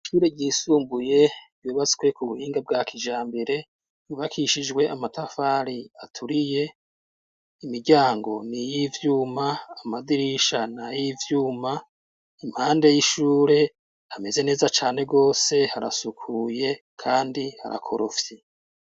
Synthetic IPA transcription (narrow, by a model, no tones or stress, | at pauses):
iʃuːɾe̞ɟiːsuːmbuje̞ | juːβat͡skwe̞kuβuhiːŋɡab̚ɡaːkiʒaːmbeɾe̞ | juβakʰiʃid͡ʒɡwe̞ʔamatafaːɾiatʰuɾije̞ | imiɟaːŋɡo̞̰nijivjuːmaːmadiɾiʃanajivjuːma | imhaːnde̞jiʃuːɾe̞ | ame̞ze̞ne̞ːzat͡ʃaːne̞ɡo̞ːse̞haɾa̰sukʰuːje̞ | kʰaːndiha̰ɾa̰kʰo̞ɾofje